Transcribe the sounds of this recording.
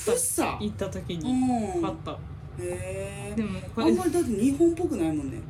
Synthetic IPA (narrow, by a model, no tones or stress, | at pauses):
saɕi̥t̪a̰it̪ːat̪okʲiɲ̟iɯ̃at̪ːa | heːd̪e̞mokãmːaɾʲid̪at̪̬ːeɲ̟ĩhõmpokɯ̟naimõ̞nːḛ